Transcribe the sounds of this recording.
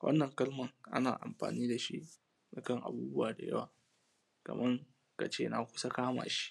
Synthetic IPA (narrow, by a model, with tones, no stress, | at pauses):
wʔɐ̰˦nːɐ˨ŋkɐ˦lmɐ˨ŋʔa̰˦naː˨ʔa̰˨mɸa̰ː˨niː˦da˨ʃḭ˦ʔ | da˨kɐ˦ŋʔa̰˨buː˦bʊ˦waː˨da̰˨jɐ̰˦waː˨ | kɐ̰˨mʔɐ˦ŋ | ka˨t͡ʃeː˦na˨kʷʊ̥˦sa˦kaː˦ma̰ː˨ʃi̥˦ʔ